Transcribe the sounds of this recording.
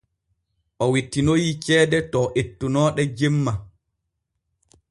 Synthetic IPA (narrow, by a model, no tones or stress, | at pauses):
ʔɔwitːinojit͡ʃɛːdɛtɔʔetːunɔːɗɛd͡ʒemːa